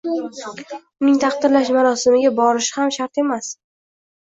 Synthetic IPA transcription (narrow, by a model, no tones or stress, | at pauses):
ʊnɪŋt̪ʰɑχd̪ɪɾlaʃmaɾɒsɪmɪɡʲabɒɾɪʃɪhamʃaɾt̪e̞mas